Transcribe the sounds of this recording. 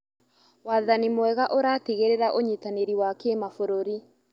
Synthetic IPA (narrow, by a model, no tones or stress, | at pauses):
waðanimwɛɣaʔoɾaːtiɣeɾeɾaʔoɲitaneɾiwakemafoɾoɾi